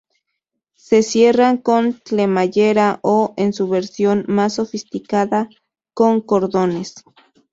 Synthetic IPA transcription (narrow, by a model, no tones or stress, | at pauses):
sesjeraŋkont͡ɬemaʝeɾaʔoensuβeɾsjonmasːofist̪ikaða | koŋkoɾðones